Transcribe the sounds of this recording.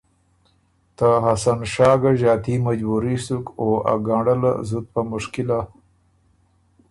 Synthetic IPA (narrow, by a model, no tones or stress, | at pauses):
t̪aɦasanʃɑːɡaʒɑːt̪imad͡ʒbuɾisukoa̰ɡaɳɽəla̰zut̪̚pamʊʂkila